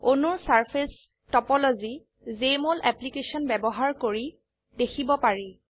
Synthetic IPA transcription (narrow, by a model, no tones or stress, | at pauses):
onuɹsaɹpʰes | tɔpɔlozi | zemolʔɛplikesɔnbɛbɔɦaɹkoɹi | dekʰibɔpaɹi